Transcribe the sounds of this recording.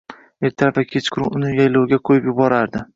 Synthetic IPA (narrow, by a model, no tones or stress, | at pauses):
e̞ɾt̪ʰaɾafakʲʰet͡ʃkʰʊɾʊʊnɪjajlowɡʲaqʰojɪpjʊbɒɾaɾd̪ɪ